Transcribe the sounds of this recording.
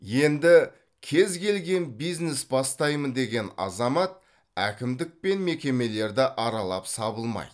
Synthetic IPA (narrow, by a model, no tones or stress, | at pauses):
je̞nd̪ɪ | kʲʰe̞zkʲʰe̞lɡʲe̞nbijznesbɑst̪ɑjmənd̪e̞ɡʲe̞nɑ̰zɑmɑt̪̚ | ækʲɪmd̪ɪk̚pe̞nme̞kʲe̞me̞le̞ɾd̪ɪʔɑɾɑlˠɑpsɑbəlˠmɑ̰jd̪